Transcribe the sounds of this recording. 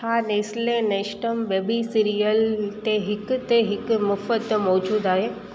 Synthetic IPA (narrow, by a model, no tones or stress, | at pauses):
haneːslẽneʃʈəmʋebisiɾijəlt̪eɦikt̪eɦɪkmufəd̪əmɔd͡ʒuːd̪aːɦe